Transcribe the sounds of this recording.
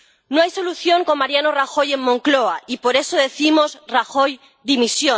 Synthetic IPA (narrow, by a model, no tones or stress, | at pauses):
noajso̞luθjo̞ŋko̞maɾjanoraxo̞je̞mmõŋkloaipo̞ɾe̞soðe̞θimozraxo̞j | ðimisjo